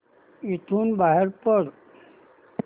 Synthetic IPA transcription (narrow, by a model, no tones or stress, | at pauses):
it̪ʰuːnbaɦeɾpəɾ